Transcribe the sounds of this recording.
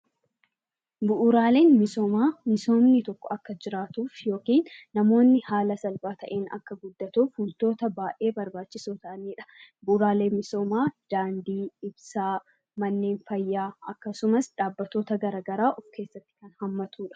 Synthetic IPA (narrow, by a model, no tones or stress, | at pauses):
bʊʔʊɾaːle̞ːnmɪso̞ːmaːmɪso̞ːmnɪt̪ɔkːɔɐkːɐd͡ʒɪɾaːt̪uːfjo̞ːkiːnːɐmo̞ːnːɪhaːlɐsɐlbaːt̪ʰɐʔe̞ːnɐ̰kːɐɡʊd̪ːɐt̪uːfhʊlt̪o̞ːt̪ɐbaːʔe̞ːbɐɾbaːt͡ʃːɪsuːt̪ɐʔɐniːᶑɐ̥bʊʔʊɾaːle̞ːnmɪso̞ːmaːd̪̥aːnd̪iːɪbsaː | mɐnːe̞ːnfɐjːaːɐkːɐsʊmɐsᶑ̪aːbːɐt̪ːo̞ːt̪ɐɡɐɾaːɡɐɾaːʔɔfke̞ːsːɐt̪ːɪ̥kɐnhɐmːɐt̪ʰuːᶑɐ̥